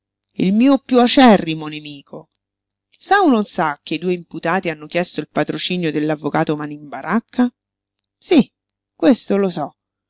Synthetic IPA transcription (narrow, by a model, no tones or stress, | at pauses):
ḭlmiːopjuat͡ʃɛrːimonemiːkʰo | saunonsak̟ːed̪uːeimput̪aːt̪ianːok̟jɛst̪oilpat̪ɾot͡ʃiːnjod̪elːavːokaːt̪omanimbaɾʔakʰːa | si | kːwest̪olosɔ